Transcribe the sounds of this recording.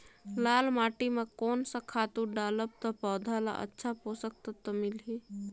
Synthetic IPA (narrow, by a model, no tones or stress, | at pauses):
lalmaʈimekonsə̃kʰat̪uɖaləb̚t̪ɔpɔd̪ʱala̰ʔə̰tːʃʰaposək̚t̪ət̪ɔmilɦi